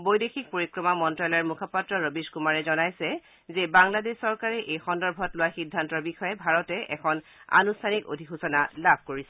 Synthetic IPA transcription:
bojdexik̚poɹikɹɔmamɔntɹalɔjɛɹmukʰɔpatɹɔɹobiskumaɹɛzɔnajsɛ | zɛbaŋladesːɔɹkaɹɛʔejxɔndɔɹbʱɔtlʊwaxidʱːantɔɹbixɔjɛbʱaɹɔtɛʔɛkʰɔn | a̰nustʰaniko̰dʱixusɔnalabʱkoɹisɛ

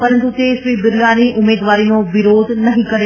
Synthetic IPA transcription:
pɐɾə̃nt̪ut̪eːsʋibɪɾjaːniʔʊmeːd̪ʋaːɾiːnõʋɪɾoːd̪ʱnɐɦĩkɐɾe

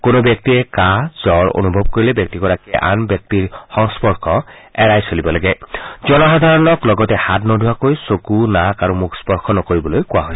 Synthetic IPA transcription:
konobjɔk̚tiɛkazɔɹo̰nubʱɔb̚koɹilɛbjɔk̚tiɡɔɹakiɛʔa̰nbjɔk̚tiɹxɔŋspɔɹkʰɔɛɹajsolibɔlaɡɛzɔnaxɔd̪ʱaɹɔnɔklɔɡɔtɛhatnodʱuakojsokunakaɹumukʰspɔɹxʰɔnɔkoɹibɔlojkʊwaɦojsɛ̥

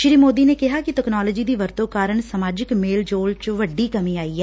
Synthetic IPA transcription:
ʃɾiːmoːd̪iːneːkɪɦaːkɪʈɛːknɔːləːd͡ʒiːd̪iːʋəɾt̪õːkaːɾəɳsəmaːd͡ʒɪkmeːld͡ʒoːlt͡ʃʋəɖːiːkəmĩːaːiːɛː

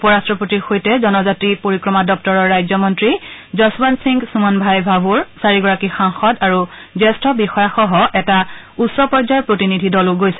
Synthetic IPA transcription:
upɔɹastɹɔpotiɹxojtɛzɔnɔzatɹipoɹikɹɔmadɔk̚tɔɹɔɹːajzɔmɔntɹizɔsbansiŋɡsumanbʱajbʱabʱuɹsaɹiɡɔɹakixaŋxɔdaɹu | zɛstɔbixɔjaxɔɦɔʔɛta | utsɔpɔɹzajpɹotinidʱidɔlʊɡojsɛ̥

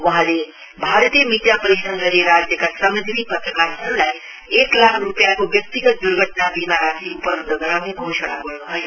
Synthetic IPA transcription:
ʋɐɦãle | bʱaːɾt̪ijəmid̪japəɾiʃə̃nɡəɾeɾaːd͡ʒjəkasəməd̪ʱiʋipɐt̪ɾəkaːɾsɐɾlae | eːklaːkʰɾupjakoʋjɐk̚t̪iɡət̪̚d̪uɾɡʱəʈnabiːmaɾasʰiupəɾʱəɡʱəɾamẽɡʱoːʃɽ̃aɡoɽɦəj

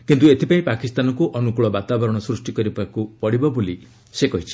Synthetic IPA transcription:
kint̪uet̪ʰipaĩpakist̪anɔkuʔɔnukuɭɔbat̪abɔɾɔɽ̃ɔsɾusʈikɔɾibakupɔɽibɔboli | sekɔɦit͡ʃʰi̥

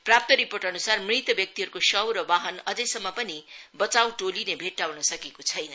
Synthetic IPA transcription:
prap̚t̪ʌɾiporʈʌnusarmrit̪ʌbjʌk̚t̪iɦʌɾukosʌwɾʌbaɦʌnʌd͡zʌjsʌmːʌpʌnibʌt͡saw̃ʈolinebʱeʈːawnʌsʌkekot͡sʰʌjnʌ

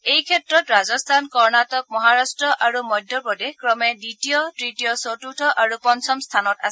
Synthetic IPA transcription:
ejkʰɛtɹɔtɹazɔstʰankɔɹnatɔk̚mɔɦaɹastɹɔʔaɹumɔjdʱːɔpɔdɛkɹɔmɛditijɔtɹitijɔsotutʰɔʔaɹupɔnsɔmstʰanɔta̰sɛ

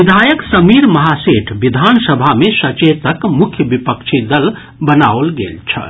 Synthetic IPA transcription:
ʋid̪ʱajəksəmiɾməɦaseʈʰbid̪ʱansəbʱamesət͡ʃet̪əkmukʰjəbipəkt͡ʃʰid̪əl | bənaolɡḛlt͡ʃʰə̰

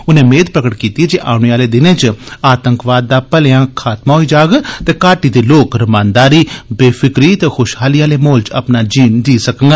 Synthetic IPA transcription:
ʊnẽːmeːd̪̚pɾəkəʈkiːt̪iɛd͡ʒeːʔa̰ːɽ̃iaːleːd̪ɪnẽːt͡ʃaːt̪əŋkʋaːd̪ːaːpəlejãːkʰaːt̪maːɦoiːd͡ʒaːɡt̪eːkaːʈiːd̪eːloːkɾəmãːnd̪aːɾiːbeːfʰɪkɾiːt̪eːxʰʊʃɦaːliːaːleːmoːlt͡ʃə̰pnaːd͡ʒiːnd̪iːsəkəŋɡa

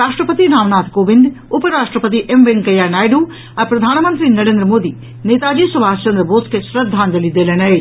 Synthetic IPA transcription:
ɾaːʂʈɾəpət̪iɾaːʋnaːt̪ʰkoːʋɪnd̪ʊpəɾaːʂʈɾəpət̪̬iʔemʋeŋɡkɐjaːnaːjɖuː | ɐɾpɾɐd̪ʱaːnmɐ̃nt̪ɾinɐɾẽːnd̪ɾəmoːd̪iː | neːt̪aːd͡ʒiːsɐbʱaːst͡ʃɐnd̪ɾəboːskeʃɾɐd̪ʱːaːnd͡ʒɐlid̪eːlenɐeː

